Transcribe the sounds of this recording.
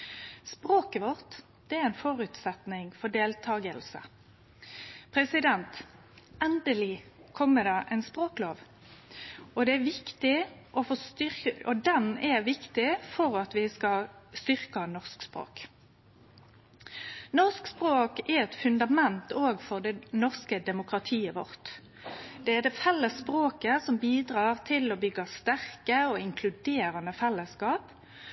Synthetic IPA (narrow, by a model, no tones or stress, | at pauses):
spʁoːkəʋɔʁt̪ | d̪̥ɛæɾɛɪnfɔʁʉːt̪sɛt̪nɪŋfɔd̪eːlt̪ʰɑːɡəlsə̰ | pʰʁɛsɪd̪ɛnt̪ | ɛnd̪əlɪkʰɔmːəd̪ɑːʔɛɪnspʁoːkloːʋ | ɔd̪ɛæɾʋɪkt̪ɪʔɔfɔst̪ʏɔd̪ɛnɛʋɪkt̪ɪfɔʁɑt̪ʋɪskɑlst̪ʏʁkɑnɔʁskspɾo̰ːk | nɔʁskspʁoːkɛɛt̪fʉnd̪ɑmɛnt̪oːɡfɔʁd̪ɛnɔʁskəd̪ɛmʊkʁɑt̪ʰiːəʋɔʁt̪ | d̪̥ɛæd̪ɛfɛlːəspʁoːkəsɔmbiːd̪ʁɑːʁt̪ʰɪlɔbʏɡːɑst̪æʁkəɔɪŋkʰlʉd̪eːɾənəfɛlːəskɑːp